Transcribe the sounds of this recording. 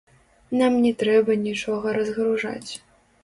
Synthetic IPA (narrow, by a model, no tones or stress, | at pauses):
namnʲɛt̪ɾɛbɐnʲit͡ʂɔɣɐɾɐzɣɾuʐa̰t͡sʲ